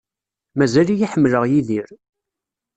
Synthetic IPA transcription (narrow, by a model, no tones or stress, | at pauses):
mæzælijiħəmːləʁjiðiɾ